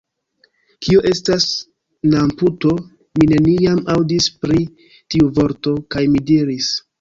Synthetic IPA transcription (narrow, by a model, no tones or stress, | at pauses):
kioʔe̞stas | namputo̞ | mine̞niamawdispɾi | tiuvo̞ɾto̞kajmidiɾis